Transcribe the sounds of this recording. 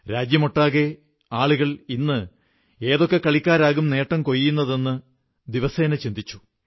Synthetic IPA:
ɾaːd͡ʑjɐmoʈːaːɣe | aːɭuɣɐɭinːɨ | e̞ːðo̞kːekːɐɭikʲːaːɾaːɣumne̞ːʈːɐmko̞jːunːɐðe̞nːɨ | d̪iʋɐse̞ːnɐt͡ɕind̪it͡ɕːu̥

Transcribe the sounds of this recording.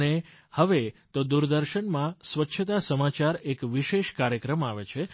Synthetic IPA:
nehəʋet̪od̪uɾd̪əɾʃəɳmãsʋətːʃʰət̪asəmat͡ʃaɾekʋiʃeʃkaɾjəkɾəmaʋet͡ʃʰe

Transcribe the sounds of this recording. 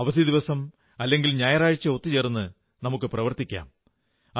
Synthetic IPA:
ɐʋɐd̪ʱid̪iʋɐsɐm | ɐlːe̞ŋɡilɲaːjɐɾaːɻit͡ɕːɨo̞t̪ːit͡ɕeːrunːɨ | nɐmukːɨprɐʋɐrt̪ikʲːa̰ːm | ɐ

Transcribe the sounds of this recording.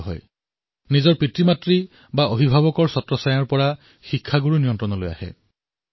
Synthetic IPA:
ɦɔ̰j | nizɔɹpɹitɹimatɹi | baobʱibʱaβɔkɔɹsɔtɹɔsajɔɹpɔɹa | xikʰːaɡuɹunijɔntɹɔnɔloja̰hɛ̰

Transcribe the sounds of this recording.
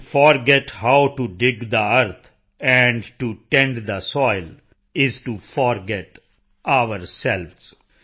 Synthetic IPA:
fɔɾɡɛʈhaʊʈuɖɪɡd̪əəɾt̪ʰ | ɛ̃ɳɖʈuʈɛ̃ɳɖd̪əsɔɪl | ɪzʈufɔːɾɡɛʈ | ʔaʋəɾsɛlʋz̥

